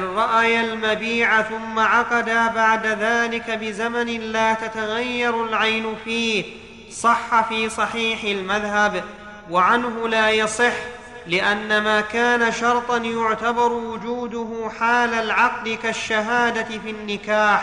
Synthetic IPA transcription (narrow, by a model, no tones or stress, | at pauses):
ʔɪnɾˤɑʔajalmabiːʕaθʊmːaʕɑqɑd̪abaʕd̪aðaːlɪkabɪzamanɪlaːt̪at̪aɣajːɑɾˤʊlʕajnʊfiːh | sˤɑħːafiːsˤɑħiːħalmaðɦab | waʕanɦʊlaːjɑsˤɨħː | lɪʔanːamaːkaːnaʃɑɾˤt̪ˤɑnjʊʕt̪abɑɾˤwʊd͡ʒuːd̪ʊɦʊħaːlalʕɑqlɪkaʃːaɦaːd̪aɪfɪnːɪkaːħ